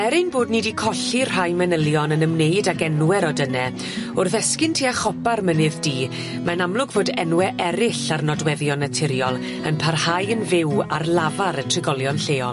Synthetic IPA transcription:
ɛɾɪnboːdnidikʰɔɬir̥hajmɛnəlˠjɔnənəmneɨdaɡɛnwɛɾɔdənɛ | ʊrθɛskɪntʰiːaχɔbarmənɨðdiː | manamlˠʊɡvoːdɛnwɛʔɛɾɪɬarnɔdwɛðjɔnətʰɪɾjɔlˠ | ənpʰarhajənvɪwarlˠavaɾətʰrɪɡɔlˠjɔnɬeːɔlˠ

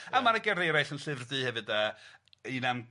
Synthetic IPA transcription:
əmaɾəɡɛɾejɾajɬənɬɨvrdɨːhɛvɨdəːiːnam

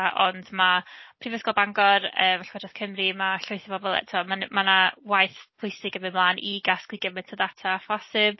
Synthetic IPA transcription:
ʔɔndmapʰrivɛsɡɔlˠbaŋɡɔrəːmvɛɬʰadrɔskʰəmrimaɬʊjθɔbɔbɔlˠɛ̰tʰuamanmanawajθpʰʊɨsɪɡəmɪmlˠaːnʔiɡaskwiɡəmɛ̥tʰəðatʰafɔsɪb̥̚

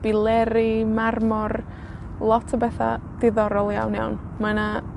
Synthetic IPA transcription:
b̥ɪlˠɛɾɪmarmɔr | lˠɔtʰəbɛθa̰d̥ɪðɔɾɔlˠja̰wnja̰wn | mana

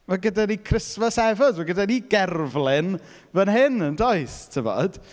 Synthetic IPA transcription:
maɡədanikʰrɪsvɔsɛvədmaɡədaniɡɛrvlˠɪn | vənɦɪnəndɔɨstʰəvɔ̰d̥

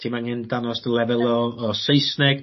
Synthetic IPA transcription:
tʰiːmanhɪndanɔsdəlˠɛvɛlˠɔːsejsnɛɡ̥

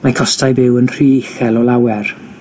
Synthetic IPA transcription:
makʰɔstajbɪwənr̥iːɪxɛlɔlˠawɛr

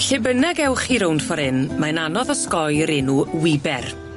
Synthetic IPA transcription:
ɬɪbənaɡɛwχiɾownd̥fɔɾɪnmananɔðɔskɔjɾɪnuwɪbɛr

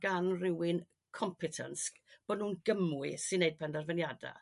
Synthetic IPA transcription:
ɡ̥anrɪwɪn | kʰɔmpʰɪtʰə̰nskb̥ɔdnuːnɡəmwɨsɨnːejd̚pʰɛndarvɛnjada̰

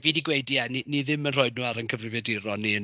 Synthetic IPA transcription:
viːniɡwejdiɛniniðɪmənr̥oɨdnuːaɾənkʰəvrɪvjɛdɪɾɔniə

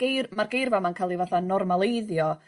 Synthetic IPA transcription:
ɡ̥ejrmarɡejrvamankʰalˠivaθanɔrmalˠejðjɔ

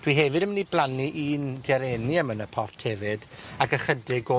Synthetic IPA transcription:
d̥wiɦɛvɨdəmniblˠaniʔiːndɛɾɛniəmənəpʰɔtʰhɛvɨdakəχədɪɡo

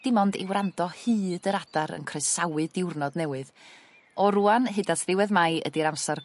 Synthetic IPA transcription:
d̥ɪmɔndɪ̰wrandɔhɨːdəɾadaɾə̰nkʰrejsawɨdɪwrnɔdnɛwɨð | ɔɾuanɦɨdatʰðɪwɛðmajʔə̰diɾamsar

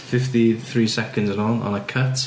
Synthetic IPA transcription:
fɪftiθɹiːsɛkə̃ndznə̃nə̰̃nəkʰət

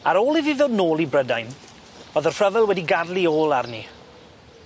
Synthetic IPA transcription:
aɾoːlˠiviðoːdnoːlˠibrədajn | ɔðərr̥əvɛlˠwɛdiɡadlˠioːlˠarni

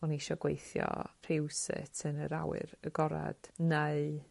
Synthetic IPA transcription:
ɔniʃɔɡwejθjɔr̥ɪwsɨ̰tʰənəɾawɨ̰ɾəɡɔɾa̰d̥neɨ

